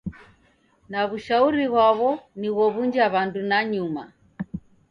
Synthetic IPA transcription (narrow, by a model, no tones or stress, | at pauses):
naβuʃauɾiβwaβɔniɣɔβuɲd͡ʒaβandunaɲuma